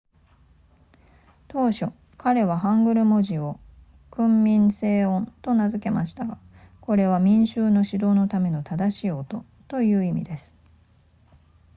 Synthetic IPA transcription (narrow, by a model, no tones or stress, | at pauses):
t̪o̞ːɕo̞ | kaɾe̞β̞aɦãŋɡɯ̟ɾɯ̟mo̞ʑio̞ | kɯ̟̃mːʲĩnse̞ːõ̞nt̪o̞nazɨke̞maɕi̥t̪aɡa | ko̞ɾe̞β̞amʲĩɰ̃ɕɨːno̞ɕid̪o̞ːno̞t̪ame̞no̞t̪ad̪aɕiːo̞t̪o̞ | t̪o̞jɯ̟ːimʲḭd̪e̞sɨ̥